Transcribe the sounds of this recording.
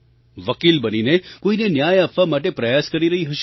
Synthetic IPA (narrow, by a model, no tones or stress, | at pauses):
ʋəkilbəninekoinenjajəfamaʈepɾəjaskəɾiɾəɦiɦəʃe̥